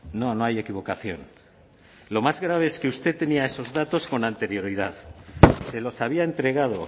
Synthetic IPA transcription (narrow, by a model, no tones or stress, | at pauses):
no̞noaje̞kiβ̞o̞kaθjo̰n | lo̞mazɣɾaβ̞e̞eskeust̪e̞t̪ːe̞niaeso̞zðat̪o̞sko̞nant̪e̞ɾjo̞ɾiðaðse̞lo̞saβ̞iae̞nt̪ɾe̞ɣað̞o̞